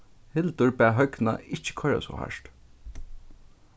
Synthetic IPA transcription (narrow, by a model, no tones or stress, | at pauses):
hɪlt̪ʊɹbɛːɦœkna̰ɪt͡ʃːɪ̥kʰɔɹa̰sɔ̰ha̰ʃt̪